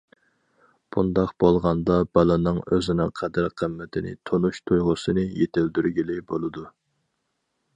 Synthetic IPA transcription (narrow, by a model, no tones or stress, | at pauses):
b̥und̪ɑqb̥olˠʁɑnd̪ɑbɑlˠɨnɨŋøzɪnɪ̰ŋqʰæd̪æɾqʰəmːɛt̪ʰɪnɪ̰t̪ʰonuʃt̪ʰujʁʊsɨnɨjet̪ʰɪld̪yɾɡʲilɪbolˠɨd̪u